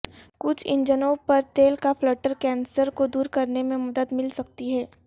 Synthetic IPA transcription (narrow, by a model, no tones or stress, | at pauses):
kʊt͡ʃʰɪ̰̃ɲd͡ʒənõpɐɾt̪eːlkafləːʈəɾkɛ̃ːnsəɾkod̪uːɾkɐɾnemẽmɐd̪əd̪mɪlsɐk̚t̪iɦɛː